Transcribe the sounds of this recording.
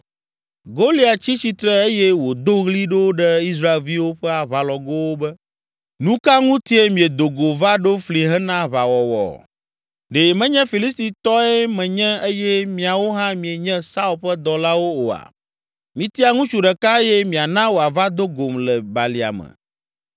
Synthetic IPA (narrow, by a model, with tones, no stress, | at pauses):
ɡo˦li˦a˨t͡ɕi˦t͡ɕi˦t̪ɾɛ˦e˦jɛ˦wo˨d̪o˦ɣli˦ɖo˦wɖɛ˦i˦s̬ɾa˦e˨lvi˦wo˦ɸɛ˦a˨βa˨lɔ˨ɡo˦wo˦bɛ˦ | nũ˦ka˦ŋũ˦t̪i˦e˦mĩ˨e˨d̪o˨ɡo˨va˦ɖo˦fli˨ɦɛ˦nã˦βa˨wɔ˨wɔ̰˨ | ɖe˨mɛ̃˦ɲɛ̃˦fi˨li˦st̪i˨t̪ɔ˦ɛ˦mɛ̃˨ɲɛ̃˦e˦jɛ˦mĩ˨a˨wo˦ɦã˦mĩ˨e˨ɲɛ̃˦sa˦u˨lɸɛ˦d̪ɔ˨la˦wo˦o˨a̰˨ | mĩ˨t̪i˦a˨ŋũ˦t͡ʃu˨ɖɛ˨ka˦e˦jɛ˦mĩ˨a˨nã˦wo˨a˨va˦d̪o˦ɡo˨mlɛ˨ba˨li˨a̰˨mɛ̰̃˨